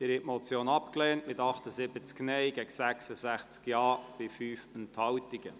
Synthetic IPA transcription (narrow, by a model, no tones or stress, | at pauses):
ɪɾɛʔmɔt͡sjoːnɑpklɛːntmɪt̪ɑχt̪əzɪbət͡sknɛɪɡ̥ɛɡsæksəzæχt͡skjɑːb̥ɪfyːfənt̪hɑwtiɡ̥ə